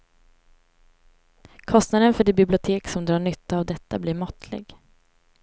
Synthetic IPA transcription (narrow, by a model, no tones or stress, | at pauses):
kʰɔst̪nad̪ənfœɖɪbɪblɪʊt̪ʰeːksɔmd̪ɾɑːɳʏt̪ːaːvd̪ɛt̪ːablɪɾmɔt̪ʰlɪ̰ɡ